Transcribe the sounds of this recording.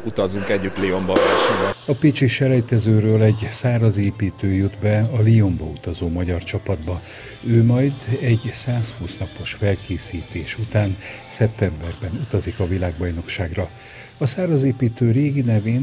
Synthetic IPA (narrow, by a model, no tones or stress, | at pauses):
ut̪ɒzuŋkɛɟːyt̪lio̞mbɒvɛːʃibɛɒpit͡ʃiʃɛlɛjt̪ɛzøːɾøːlɛɟsaːɾɒzeːpiːt̪øːjud̪bɛɒlio̞mbɒut̪ɒzoːmɒɟɒrt͡ʃɒpɒd̪bɒ | øːmɒjd̪ɛɟsaːshuːsnɒpo̞ʃfɛlkeːsiːt̪eːʃut̪aːnsɛp̚t̪ɛmbɛrbɛnut̪ɒzikɒvilaːɡbɒjno̞kʃaːɡrɒ | ɒsaːɾɒzeːpiːt̪øːreːɡinɛveːn